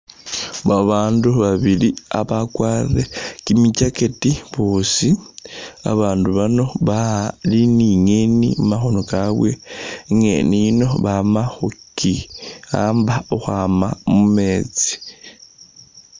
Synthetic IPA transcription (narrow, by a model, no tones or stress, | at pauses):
βaβaːnduβaβilia̰βakwaːrekimicaketiβoːsi | a̰βaːnduβano̞βaliniŋe̞nḭmaxo̞nokaβwe̞ŋe̞̰nino̞βamaxukia̰ːmbaoxwaːmamume̞ːt͡si̥